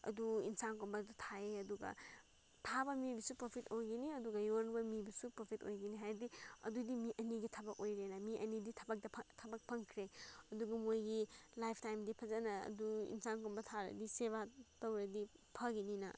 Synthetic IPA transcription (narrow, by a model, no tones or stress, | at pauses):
ɐ̰duḭnsankonbɐdutʰaeɐduɡɐ̰ | tʰabɐmibisupɾopʰitojɡiniɐduɡɐjonbɐmibɐsupɾopʰito̰jɡiniɦajɾdiɐ̰dudimiʔɐniɡitʰɐbɐk̚ojɾenɐmiʔɐ̰niditʰɐbɐk̚dɐpʰtʰɐbɐk̚pʰɐŋkʰɾeɐduɡɐmojɡilajpʰtajmdipʰɐzɐnɐɐ̰duḭnsankombɐtʰaɾɐ̰diseβatɐwɾɐdipʰɐɡininɐ̰